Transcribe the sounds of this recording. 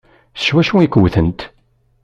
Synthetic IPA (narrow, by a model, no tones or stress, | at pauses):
sə̥ʃwæʃuikəwθənt̪